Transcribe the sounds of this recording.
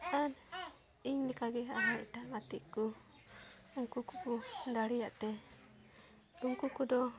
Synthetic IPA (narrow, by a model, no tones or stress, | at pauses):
an | iŋdɛkaɡɛaɦaiʈamat̪iʔku | uŋkukukud̪aɽijaʔt̪ɛ | uŋkukud̪ɔ